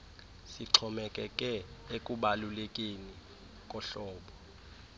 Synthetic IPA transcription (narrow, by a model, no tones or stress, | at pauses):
siǀʰɔmɛkʼɛkʼɛekʼuɓalulekʼeni | kʼɔɬɔːɓɔ